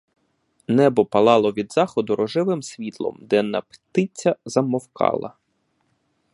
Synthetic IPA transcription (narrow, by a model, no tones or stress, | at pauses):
nɛbɔpɐlˠɑlˠɔʋʲid̪zɑxɔd̪ʊɾɔʒɪʋɪmsʲʋʲit̪lˠɔ̰md̪ɛnɐpt̪ɪt͡sʲːɐzɐmɔwkɑ̰lˠɐ̰